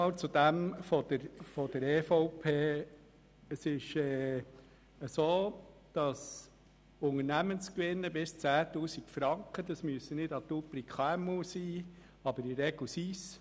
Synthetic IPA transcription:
ɑlt͡sud̥̪æmfɔd̥̪əɾfɔd̥əɾeːfɔʊpʰeː | əsɪʃɛː | əsoːd̪̥ɑs | ʊŋənæmənskʋɪnːəbɪst͡sæːt̪uːsikfɾɑŋkχəd̪ɑsmyəsənɪdɑt̪upɾikχɑɛmusiː | ɑbəɾɪɾɛɡ̥lsis

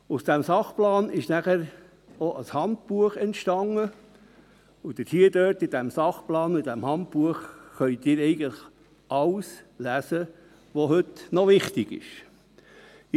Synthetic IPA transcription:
ʊsd̥æmsɑχplɑːnɪʃnæχəɾ | oʔəshɑnt̚puəχɛntʃtɑŋə | ʊd̥̪əthiədøːɾtɪd̥æmsɑχplɑːnʊɪdæmhɑnt̚puəχːœʏt̪ɪːɾɛɪɡəntləχ | ɑwslæsə | ʋoɦɵtnɔʋɪχt̪ɪɡ̥ɪ̰ʃ

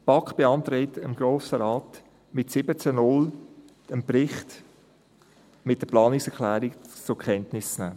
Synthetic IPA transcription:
pɑkχb̥eɑnt̪ɾɪtəmɡ̥ɾoːsəɾɑːt | mɪtsɪbət͡sənʊl | əmpɾɪχt | mɪt̚d̥əplɑːnɪksɛkʰlæːɾikt͡sʊkʰχɛntnɪst͡snæː

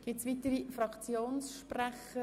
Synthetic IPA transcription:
ɡ̥ɪtsʋit̪əɾifrɑkt͡sjoːnsʃpræχə

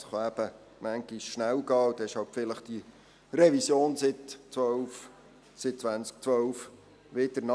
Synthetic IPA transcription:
sχoæbə | mæŋɡiʃʃnæwɡɑːd̪ɛɪʃhɑltfɪləχd̥i | rɛvisjoːnsɪtt͡sʋœwf | sɪt̚t͡sʋænt͡sk̚t͡sʋœwf | ʋɪd̥̪əɾnɑ

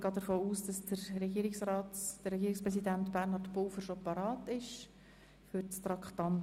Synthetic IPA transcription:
ɡ̥ɑːd̥əɾfoːuːsd̥ɑsdəɾːɛɡiːɾɪksɾɑːtd̥əɾɛɡiːɾɪkspɾɛs̬idæntbæɾnɑɾtpowfəɾʃopɑɾɑːtɪʃ | føɾt͡st̪ɾɑkχt̪ɑn

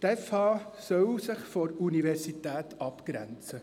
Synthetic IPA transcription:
t̪ɛfhɑːsœwsɪχfɔɾuniʋɛrsit̪æːtɑpkɾæ̰nt͡sə

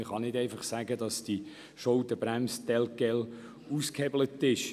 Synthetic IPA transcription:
ɪχɑnɪdɛɪfɑχsæːɡədɑsd̥i | ʃɔʊtəb̥ɾæmstɛlkɛl | uskhɛblətɪʃ

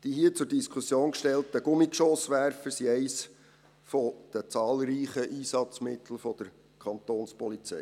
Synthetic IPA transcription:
d̥iɦiːət͡sʊɾdiskʰusjoːnkʃtɛltəɡ̥ʊmikʃosʋæɾfəsiɛɪs | fɔd̪̥ət͡sɑːlɾiːχəʔiːsɑt͡smɪt̪ʰl̩fɔd̪̥əɾ | kʰɑnt̪oːnspɔlit͡sɛ̰j

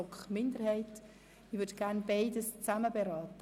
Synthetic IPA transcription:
ɔkχmɪndəɾhɛɪt | iʋʏɾdɡ̥æɾnbaɪdəst͡sæməbeɾɑːtə

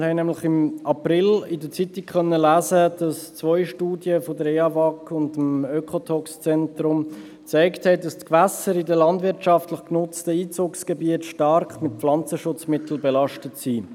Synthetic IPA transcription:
hɛɪnɛmlɪχɪmɑprɪlɪdət͡sitikχœnːəlæːzəd̥ɑst͡svɔʏʃtuːdjəfodəɾɛɑvɑkʊndəmøkʰotʰɔkst͡sɛntɾʊm | t͡saɪkthɛɪdɑstkvæsəɾɪdəlɑndvɪɾtʃɑftləχknʊt͡stəiːt͡suːksɡ̥ɛbiətʃtɑɾkmɪt̚pflɑnt͡səʃʊt͡smɪtl̩bɛlɑʃtətsiː

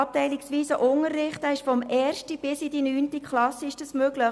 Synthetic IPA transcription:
ɑp̚tɛɪlɪksʋiːsəʔʊŋərːɪχtæɪʃfɔmʔɛːrʃtəb̥ɪsɪdinyːntikʰlɑsəɪʃd̥əsmøːɡ̥lə

